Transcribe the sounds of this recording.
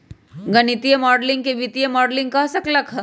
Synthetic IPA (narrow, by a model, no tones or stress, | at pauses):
ɡɐnit̪ijəmɔːɖlɪ̃ŋɡ̚keʋit̪ijəmɔːɖlɪ̃ŋɡ̚kɐsɐklɐkʰ